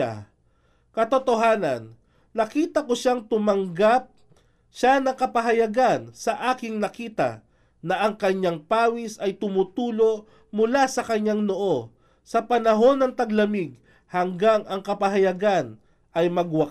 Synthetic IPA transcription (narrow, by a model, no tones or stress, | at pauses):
a | kɐt̪ot̪oɦaːnɐ̰nː | ɐkiːt̪ɐkoʃaŋt̪ʊmɐŋɡap̚ | ʃanɐŋkɐpɐɦɐjɐɡansɐʔaːkɪŋnɐkiːt̪ɐ̰ | nɐʔɐŋkɐɲaŋpaːwisɐjt̪ʊmʊt̪uːlo̞ʔ | mʊlasɐkɐɲːaŋnoʔo̞ | sɐpɐnɐɦo̞nːɐŋt̪ɐɡlɐmiɡ̚ | hɐŋɡaŋʔɐŋkɐpɐɦɐjɐɡan | ʔɐjmɐɡwɐ